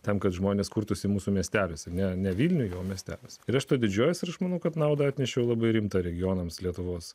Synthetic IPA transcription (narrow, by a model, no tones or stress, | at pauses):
t̪ʲɛmkɐt̪ʒmoːnʲeːskuːɾt̪ʊsʲɪmuːsumʲiɛsʲt̪ʲæːlʲesʲɛnʲɛnʲɛʋʲiːlʲnʲʊjoːmʲiɛsʲt̪ʲæ̰ːlʲesʲɪɾɐʃt̪oːd̪ʲɪd͡ʒʲuːjʊsɪɾɐʃmɐːnɐʊkɐt̪nɐʊd̪ɐɐt̪ʲnʲɛʃʲɛʊlˠɑbɐɪɾʲɪmt̪ɑɾʲɛɡʲɪjoːnɐmslʲiɛt̪ʊʋoːs